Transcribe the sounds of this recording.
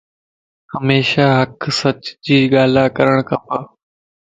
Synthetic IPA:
həmeːʃaːɦəksət͡ʃd͡ʑiːɠaːlaːkəɾəɽ̃kʰəpə

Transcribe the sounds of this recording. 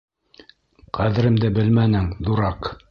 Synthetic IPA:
qʰæðɘ̆ɾɘ̆md̪ɘbɘlmænɘŋðuɾɑq

